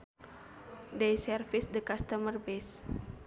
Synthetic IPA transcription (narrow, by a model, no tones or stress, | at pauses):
dɛjsɛrfisdəkast̪əmərbɛs